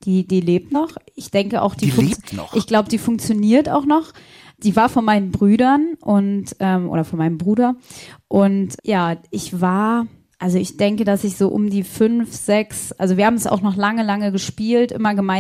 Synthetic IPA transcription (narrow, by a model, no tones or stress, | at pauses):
d̥iːdiːleːp̚tnɔχɪçd̥ɛŋkəʔa̰ʊxd̥iːfʔɪçɡ̥laʊbədiːfʊŋk̚t͡sjoniːɐta̰ʊxnɔχ | d̥iːvaːɐfɔnmaɪnənbʁyːdɐnʔʊntʔɛːmʔo̰ːɾɐfɔnmaɪnəmbʁuːdɐʔʊntjaːʔɪçv̥aːɐ | ʔalzoɪçd̥ɛŋkədasɪçz̥oːʔʊ̰mdiːfʏnfz̥ɛksʔa̰lzoviɐhabmsa̰ʊxnɔχlaŋəlaŋəɡəʃpiːltʔɪ̰mɐɡəmaɪ